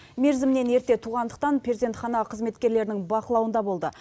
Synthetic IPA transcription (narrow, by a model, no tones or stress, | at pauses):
me̞ɾzɪmne̞ne̞ɾt̪e̞t̪ʰuʁɑnd̪ə̥q̚t̪ɑnpʰrʲezd̪e̞nt̪χɑnɑqʰəzme̞t̪kʲe̞ɾle̞ɾɪnɪŋbɑqəlˠɑwənd̪ɑbo̞lˠd̪ə̰